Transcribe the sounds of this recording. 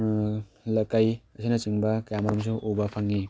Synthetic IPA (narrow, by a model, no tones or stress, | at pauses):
lɐkajɐsʰijnɐt͡ʃiŋbɐkɐjamɐɾums̬uʔobɐpʰaŋːi